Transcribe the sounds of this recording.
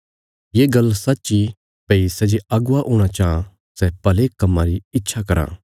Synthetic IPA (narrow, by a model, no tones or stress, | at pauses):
jeːɡɐlsɐtːʃi | peisɛd͡ʒeʔɐɡʊaʔuːɽ̃at͡ʃaã | sɛpɐlekɐmːãɾiɪtːʃʰakɐɾã̰ː